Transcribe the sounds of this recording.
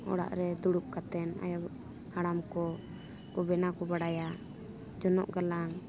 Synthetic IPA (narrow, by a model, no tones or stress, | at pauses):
ɔ̰ɽa̰ʔɾɛd̪uɽup̚kat̪ɛna̰ja | haɽamkɔ | ubɛnakɔbaɽaja | d͡ʒɔnɔ̰ʔɡalaŋ